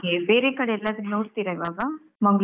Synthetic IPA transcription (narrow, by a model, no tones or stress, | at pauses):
keːbeːɾeːkɐɽeɛlːaːd̪nnoːɽt̪iːɾɐɪʋaːɡɐ | mɐŋɡɭ